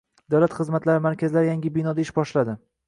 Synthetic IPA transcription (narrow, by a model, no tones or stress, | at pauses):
d̪awlat̪χɨzmat̪laɾɪmaɾkʲʰazɪlaɾɪjaŋʲɪbɪnɒd̪aɪʃbɒʃlad̪ɪ